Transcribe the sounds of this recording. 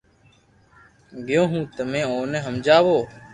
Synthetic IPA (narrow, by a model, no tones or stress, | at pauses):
ɡɪjõːɦũːt̪əmẽːoːnẽːɦəmd͡ʒaːʋoː